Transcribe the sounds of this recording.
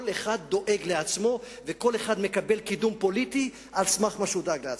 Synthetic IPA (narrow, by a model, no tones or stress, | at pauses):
leχad̪ːo̞ʔe̞ɡleat͡smo̞ | veko̞le̞χad̪me̞kabe̞lkid̪umpo̞lit̪i | ʔalsmaχmaʃud̪aklea